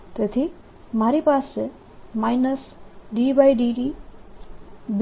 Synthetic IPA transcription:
t̪ɐt̪ʰi | maɾipaːse | majnəsɖibajɖiɖi | b

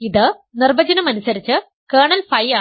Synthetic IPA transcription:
iðɨ | nirbɐd͡ʑɐnɐmɐnusɐɾit͡ɕːɨ | keːɳɐlfɐjaː

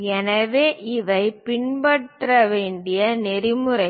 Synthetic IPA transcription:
ɛnɐʋeːʔɪʋɐɪpɪɳbɐʈrɐʋeːɳɖɪjɐnɛɾɪmɯɾɐɪ

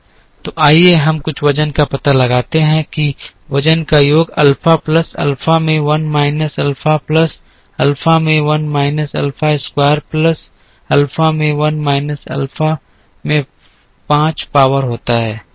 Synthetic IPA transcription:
t̪oʔaːieɦɐmkʊt͡ʃʰʋɐd͡ʒənkapɐt̪alɐɡaːt̪eɦɛ̃kiʋɐd͡ʒənkajoːɡɐlfʰapləsɐ̰lfamẽʋɐnmaːɪnəsɐlfaplɐs | ɐlfamẽʋɐnmaːɪnəsɐ̰lfaɪskwaːəɾplɐs | ɐlfamẽʋɐnmaːɪnəsɐ̰lfʰa | mẽ | pãːt͡ʃpaːʋəɾɦoːt̪aɦɛː

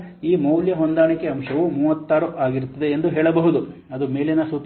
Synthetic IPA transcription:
iːmɐwljɐɦond̪aːɳikːeɐmʃɐʋumuːʋɐt̪ːaːɾuʔaːɡiɾt̪ːɐd̪e̞ːnd̪uɦeːɭɐbɐɦud̪u | ɐd̪ume̞ːlinɐsut̪

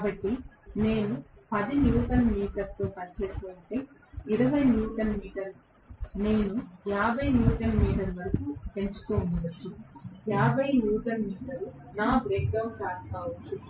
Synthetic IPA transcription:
kaːbɐʈːine̞ːnupɐd̪injuːʈɐnmiːʈɐɾt̪oːpɐɲt͡ʃeːsuʋɐɳʈeiɾɐʋɐjnjuːʈɐnmiːʈɐɾ | ne̞ːnujaːbʱɐjnjuːʈɐnmiːʈɐɾuʋɐɾɐkupe̞ɲt͡ʃu̥t̪oːmud̪ɐt͡ʃːujaːbʱɐjnjuːʈɐnmiːʈɐɾu | naːbɾeːk̚ɖɐwt͡ʃaːɾt̪aːʋut͡ʃu

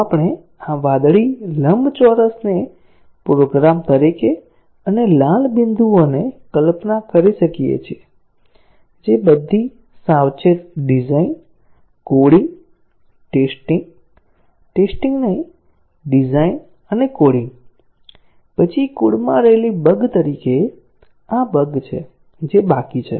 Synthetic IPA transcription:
apɳ̃e | aʋad̪ɭiləmbʱt͡ʃɔɾəsne | pɾoɡɾamt̪əɾike | ənelãlbind̪ʱuonekəlpnakəɾiʃəkijḛt͡ʃʰe | d͡ʒebəd̪ʱːi | sawt͡ʃʰet̪ɖizain | koɽiŋɡ | ʈesʈiŋɡ | ʈesʈiŋɡnəɦĩ | ɖizain | ənekoɽĩŋɡ | pət͡ʃʰikuɽmã̰ɾəɦelibəɡt̪əɾike | abəɡt͡ʃʰe | d͡ʒebakit͡ʃʰḛ

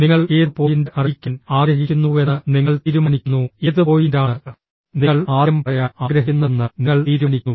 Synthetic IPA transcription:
niŋːɐɭeːrpo̞ːjindɐrikʲːunaːɡɾɐɦikʲːunːuenːɨniŋːɐɭt̪iːɾumɐnikʲːunːueðɨpo̞ːjindaːɳ | niɐɭaːɐmpɐjɐaːɡɾɐɦiunːenːɨniŋːɐɭt̪iːɾunik̪ʲːu

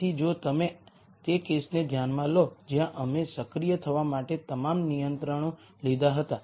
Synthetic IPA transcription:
id͡ʒot̪əme | t̪ekesned̪ʱjanmãlod͡ʒjãʔəmesəkɾijət̪ʰəʋamaʈet̪əmamnijənt̪ɾəɳ̃õ | lid̪aɦət̪a

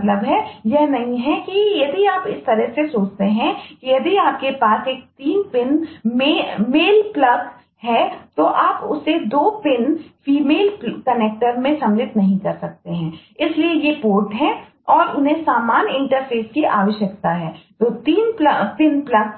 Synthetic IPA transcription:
t̪ləbɦɛjɛɦnɐɦĩɦɛkijɐd̪iaːpɪst̪ɐɾəɦsesoːt͡ʃt̪eɦɛ̃kijɐd̪iaːp̚kepaːseːk̚t̪iːnpɪnmemeːlplɐs | ɦɛt̪oʔaːpʊsed̪oːpɪnfiːmeːlpkɐneːk̚ʈəɾmẽsɐ̃mlɪt̪nɐɦĩkɐɾsɐk̚t̪eɦɛ̃ːɪsliejepoːɾʈɦɛ̃ | ɔːɾʔʊnɦẽsaːmaːnɪ̃ɳʈəɾpʰeːskiʔaːʋəʃjɐkt̪aɦɛːt̪oːt̪iːnplpɪnplɐk

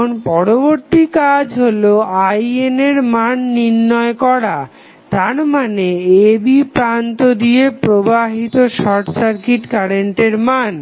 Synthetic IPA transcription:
onpɔɾoboɾt̪ikad͡ʑɦoloajeneɾmanːiɾːɔekɔɾa | t̪aɾmaneebipɾant̪od̪iepɾobaɦit̪oʃɔɾʈsaɾkiʈkaɾeɳʈeɾman

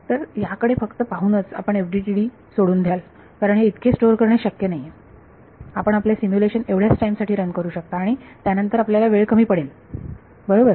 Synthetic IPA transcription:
t̪əɾjakəɽefəkt̪əpaɦunət͡sa̰pəɳefɖiʈiɽiː | soɽuːnd̪ʱjal | kaɾəɳɦeit̪kʰesʈoɾkəɾɳeɕəkjənaɦie | apəɳ̃apljasimjuleɕəneʋɽ̤jasʈaimsaʈʰiːɾənkəɾuːɕək̚t̪aːɽ̃it̪janənt̪əɾapljalaʋeɭkəmiːpəɽel | bəɽobəɾ

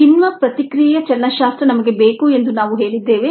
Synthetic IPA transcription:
inʋɐpɾɐt̪ikɾiːjɐt͡ʃɐnːɐʃaːst̪ɾɐnɐmɐɡe̞beːkue̞nd̪unaːʋuɦe̞ːɭid̪ːeːʋe

